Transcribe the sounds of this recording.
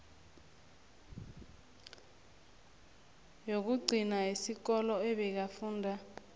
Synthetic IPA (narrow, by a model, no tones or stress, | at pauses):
jok̬uɡ͡ǀʱinaisik̬ɔlɔɛɓɛk̬afuːndʱa